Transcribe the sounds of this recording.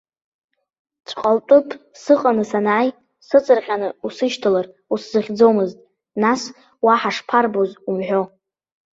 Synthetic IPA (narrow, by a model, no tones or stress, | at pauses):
t͡ʃʷʰqʼaltʼʊpʰʼsɨqʼanɨsanaːj | sɨt͡sʼɨrχʲanɨusɨʃtʰɨlar | uszɨχʲd͡zomɨztʼ | nas | waħaʂpʰarbozumħʷᶣo̞